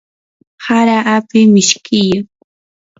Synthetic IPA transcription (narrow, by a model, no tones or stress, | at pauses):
haɾaʔapɪmɪʃkʰɪjaŋ